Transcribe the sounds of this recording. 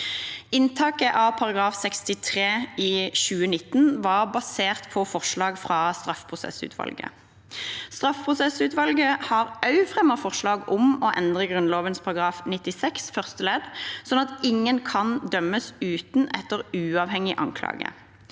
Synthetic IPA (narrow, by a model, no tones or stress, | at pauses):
ɪnt̪ʰɑːkəʔɑpʰɑʁɑɡʁɑːfsɛkst̪ɪt̪ʰʁeːiːʃʉːənɪt̪ːnʋɑːʁbɑseːʁt̪pʰɔfɔʁʃɭɑːɡfʁɑːst̪ʁɑfpʰʁʊsɛ̰sʉ̰ːt̪ʰʋɑ̰lɡə̰ | st̪ʁɑfpʰʁʊsɛsʉːt̪ʋɑlɡəhɑːʁɑʉfʁɛməfɔʁʃlɑːɡʊmɔʔɛnd̪ʁəɡʁʉnloːʋənspʰɑʁɑɡʁɑːfnɪt̪ːɪsɛksfœʁst̪əlɛd̪sɔnɑt̪ɪŋːənkʰɑnd̪œmːəsʉːt̪nʔɛt̪ːəʁʉːɑːʋhɛŋɪʔɑ̰ŋkʰlɑ̰ːɡə̰